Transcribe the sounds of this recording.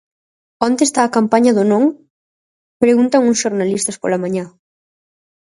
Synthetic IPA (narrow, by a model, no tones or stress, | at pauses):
ont̪est̪aːkampaɲɐðonõŋ | pɾeɣunt̪ɐŋuŋsʃoɾnalist̪ɐspo̰lamaɲã